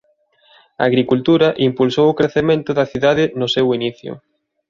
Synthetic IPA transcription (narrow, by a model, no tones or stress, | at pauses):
ɐːɣɾikult̪uɾɐʔimpulsowʊkɾeθemẽnt̪ʊðɐθiðaðɪnʊsewiniθjʊ̰